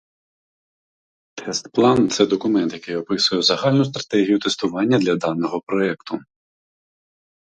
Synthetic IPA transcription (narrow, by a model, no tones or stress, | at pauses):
t̪ʰɛst̪plˠɑnt̪sɛd̪ɔkʊmɛnt̪jɐkɪjɔpɪsʊjɛzɐɦɑlʲnʊst̪ɾɐt̪ɛɦʲijʊt̪est̪ʊʋɑnʲːɐd̪lʲɐd̪ɑnːɔɦɔpɾɔɛkt̪ʊ